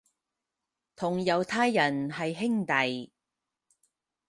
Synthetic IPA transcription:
t̪ʰʊ˨˩ŋjɐ˨wt̪ʰaː˥jːɐ˨˩nɦɐ˨jɦɪ˥ŋt̪ɐ˨j

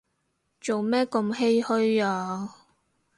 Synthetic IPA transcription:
t͡so˨wmɛː˥ko˧mhe˥jhɵ˥ɥaː˧

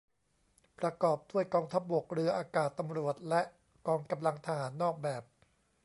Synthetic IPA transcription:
pɾa˧kɔː˨˩p̚d̥u˥˩əjkɔː˧ŋt̪ʰa˦˥p̚bo˨˩k̚ɾɯ˧ɐʔaː˧kaː˨˩t̪ːa˧mɾu˨˩ət̪̚lɛ˦˥ʔ | kɔː˧ŋka˧mla˧ŋt̪ʰa˧haː˩˦nːɔː˥˩k̚bɛː˨˩p̚

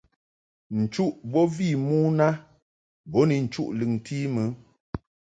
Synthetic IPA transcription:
n̩˨t͡ʃu˦ʔbɔ˦vi˦˨mu˦na˦ | bɔ˨˦ni˨n̩˨t͡ʃu˦ʔlɨ˨ŋ˨tʰi˦mə˦

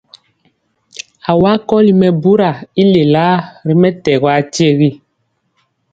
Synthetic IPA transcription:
a˨wa˦kɔ˦li˦mɛ˨bu˦ɾa˨i˦le˨la˦ɾi˦mɛ˦tɛ˨ɣwa˦ti˦e˦ɣi˦

